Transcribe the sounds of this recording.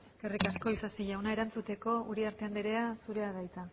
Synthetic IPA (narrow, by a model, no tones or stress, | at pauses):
e̞ske̞rikasko̞isasiʎawnae̞ɾant͡sut̪e̞ko̞uɾiaɾt̪e̞and̪eɾe̞asuɾe̞að̞ajt͡sa